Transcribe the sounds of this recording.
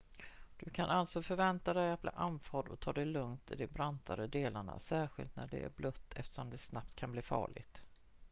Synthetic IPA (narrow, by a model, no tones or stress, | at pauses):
d̪̥ɵkʰanʔalt̪sɔfœɾvɛnt̪ad̪ɛjat̪̚bliːʔanfɑːɖɔt̪ʰɑːd̪ɛjlɵŋt̪ʰɪd̪ɛbɾant̪ʰaɾəd̪eːlaɳa̰sæːɾɧɪ̰lt̪næɖɛ̰æ̰ɾblɵt̪ʰːɛft̪ə̥ʂɔmd̪ɛsnap̚t̪kʰanbliːfɑ̰ːɭɪ̰ɡt̪